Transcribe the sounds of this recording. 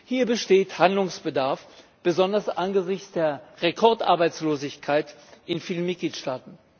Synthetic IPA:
hiːɐbəʃteːthandlʊŋsb̥ədaɐfb̥əzɔndɐsʔanɡəzɪçt͡sd̥eːɐʁekʰɔɐtʔa̰ɐbaɪt͡sloːzɪçkʰaɪtʔɪnfiːlənmɪt̚ɡ̥liːtʃtaːtn̩

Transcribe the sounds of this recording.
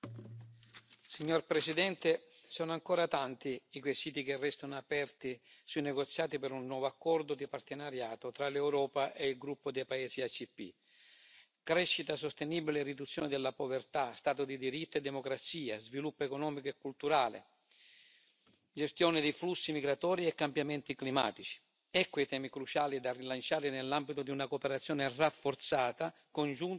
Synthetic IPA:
siɲːorpɾesid̪ɛnt̪e | sɔnoaŋkɔːɾat̪ant̪iːkwesiːt̪ikerːɛst̪anoapɛrt̪isuinɛɡot̪sːjaːt̪ipeɾunːwɔːvoakːɔrd̪ʊd̪ipart̪enaɾjaːt̪ot̪ɾalewɾɔːpaʔeilɡɾupːod̪ɛjpaɛːsiat͡ʃːipːḭ | kɾɛʃːit̪asost̪enibilerid̪ut̪sːjɔːnɪd̪elːapovert̪ast̪aːt̪ʊd̪id̪iɾit̪ːed̪ːɛmokɾat̪siːazvilupːoekɔnɔːmikoɛkːult̪uɾaːlḛ | d͡ʒest̪jɔːnɪd̪iflusːimiɡɾat̪ɔːɾiɛkːambjamɛnt̪iklima̰ːt̪it͡ʃi̥ | ɛkːit̪ɛːmikɾut͡ʃaːlid̪arilant͡ʃaːɾɪnɛlːambit̪ʊd̪iunakopeɾat̪sːjɔːnerafːort̪saːt̪a | kond͡ʒun

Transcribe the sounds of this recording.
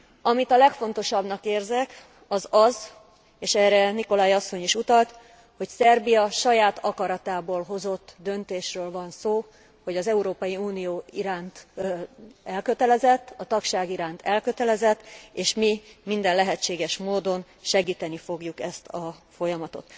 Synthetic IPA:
ɒmit̪ɒlɛkfo̞n̪t̪o̞ʃɒbnɒkeːrzɛk | ɒzɒz | eːʃɛːrɛniko̞laːjɒsːo̞ɲiʃut̪ɒlt̪ | ho̞csɛrbijɒʃɒjaːt̪ʰɒkɒɾɒt̪aːboːlɦo̞zo̞t̪ːd̪ønt̪eːʃrøːlvɒnsoː | ho̞ɟɒzɛuɾoːpɒjiuːnijoːiɾaːnt̪ | ɛlkø̞t̪ɛlɛzɛt̪ːɒt̪ɒkʃaːɡiɾaːnt̪ɛlkø̞t̪ɛlɛzɛt̪ːeːʃmimind̪ɛnlɛɦɛt͡ʃeːɡɛʃmoːd̪o̞n | ʃɛɡiːt̪ɛnifo̞ɡjukɛst̪ʰɒfo̞jɒmɒt̪o̞̰t̪

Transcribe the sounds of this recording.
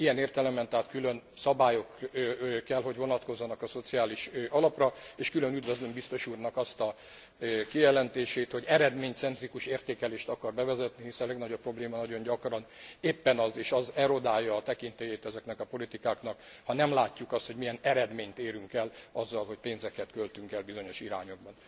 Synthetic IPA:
ijɛneːrt̪ɛlɛmɛnt̪aɦːt̪kylø̞nsɒbaːjo̞k | kːɛlɦo̞ɟvo̞nɒt̪ko̞zːɒnɒkɒso̞t̪siaːliʃʔɒlɒprɒeːʃkylønyd̪vøzlømbist̪o̞ʃuːrnɒkɒst̪ɒ | kijɛlɛnt̪eːʃeːt̪ho̞ɟɛɾɛd̪meːɲt̪sɛnt̪rikuʃeːrt̪eːkɛleːʃt̪ɒkɒrbɛvɛzɛt̪nihisɛnlɛɡnɒɟo̞pːro̞bleːmɒnɒɟo̞ɲɟɒkrɒneːpːɛnɒzeːʃɒzɛɾo̞d̪aːjːɒːt̪ɛkint̪ejeːt̪ɛzɛknɛkɒpo̞lit̪ikaːkn̪ɒkhɒnɛmlaːcːukɒst̪ho̞ɟmijɛnɛɾɛd̪meːɲt̪eːɾyŋkɛlɒzːɒlɦoc̚peːnzɛkɛt̪kølt̪yŋkɛlbizo̞ɲo̞ʃiɾaːɲo̞ɡ̚bɒn

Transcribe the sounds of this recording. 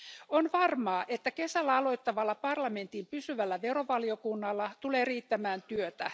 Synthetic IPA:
onʋɑrmɑːʔe̞t̪ːæke̞sælːæɑlo̞jt̪ːɑʋɑlːɑpɑrlɑme̞nt̪impysyʋælːæʋe̞ɾo̞ʋɑlio̞kunːɑlːɑt̪ule̞ːriːt̪ːæmæːnt̪yøt̪æ

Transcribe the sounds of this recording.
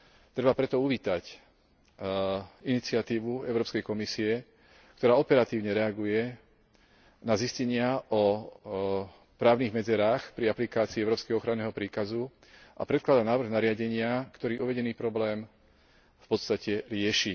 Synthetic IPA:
t̪ɾɛbapɾɛt̪ɔuʋiːt̪ac | init͡sɪat̪iːʋuɛʊɾɔːpskɛjkɔmisiɛ | kt̪ɔɾaːɔpɛɾat̪iːʊɲɛɾɛaɡujɛ | naziscɛɲɪaʔɔ | pɾaːʊniɣmɛd͡zɛɾaːxpɾiaplikaːt͡siːɛʊɾɔːpskɛɦɔɔxɾanːɛːɦɔpɾiːkazu | ʔa̰pɾɛt̪̚klad̪anaːʋɾ̩ɣnaɾɪaɟɛɲɪakt̪ɔɾiːʔuʋɛɟɛniːpɾɔblɛːm | fpɔt̪st̪acɛɾɪɛʃi

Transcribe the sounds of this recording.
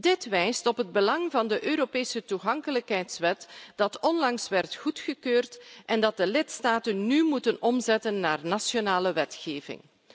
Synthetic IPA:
dɪtʋɛjstɔpɦəd̚bəlɑŋvɑndəʔøːɾopeːsətuɣɑŋkələkɦɛjtsʋɛtd̥ɑtɔnlɑŋsʋɛrtxutxəkøːrtʔɛndɑt̚dəlɪtstaːtənːymutənɔmzɛtənːa̰ːrnasjonaːləʋɛtxeːvɪ̰ŋ

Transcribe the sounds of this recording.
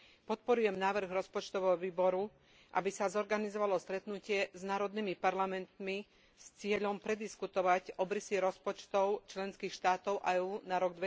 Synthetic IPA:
pɔt̪̚pɔɾujɛmnaːʋr̩ɣɾɔspɔt͡ʃt̪ɔʋɛɦɔʋiːbɔɾu | ʔa̰bisazɔɾɡanizɔʋalɔst̪ɾɛt̪nucɪɛznaːɾɔd̪nimipaɾlamɛnt̪mi | st͡sɪɛʎɔmpɾɛd̪iskut̪ɔʋacɔbɾisiɾɔspɔt͡ʃt̪ɔʊt͡ʃlɛnskiːxʃt̪aːt̪ɔʊʔaɛːuːnaɾɔɡ̚d̪ʋɛ

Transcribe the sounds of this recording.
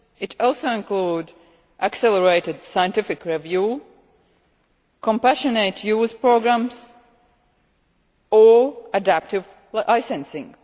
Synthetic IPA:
ɨtʰɔlˠsoʊɪ̃nkluːd | ʔəksɛlˠəɹeɪtɨdsajə̃ntɪfɪkɹɛvjuː | kʰɔ̃mpæʃəneɪtʰjuːzpɹoɡɹæ̃ms | əədæp̚tɪv | ʔaɪsɛ̃nsɪ̃ŋ

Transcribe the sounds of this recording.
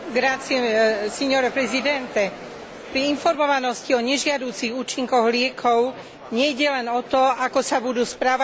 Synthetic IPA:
ɡɾat͡siɛsɛɲɔɾɛpɾɛzid̪ɛnt̪ɛ | pɾiinfɔɾmɔʋanɔsciɔɲɛʒɪad̪uːt͡siɣuːt͡ʃiŋkɔɣlɪɛkʰɔʊ | ɲɛjɟɛlɛnɔt̪ɔakɔsabud̪uːspɾaʋa

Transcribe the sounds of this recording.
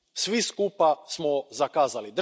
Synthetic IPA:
sʋiskupasmozakaːzalid̪

